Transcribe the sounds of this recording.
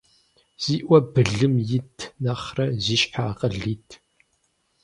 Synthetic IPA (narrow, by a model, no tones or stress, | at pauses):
z̥iːʔʷɐbɨɮɨmjɪtʰnɐχrɐziːʃħaːqʼɐɮiːtʰ